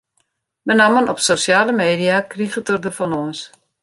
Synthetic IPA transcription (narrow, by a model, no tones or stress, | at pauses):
mənamənɔpsosjaːləmeːdiakriɣətərdərfɔnɔəns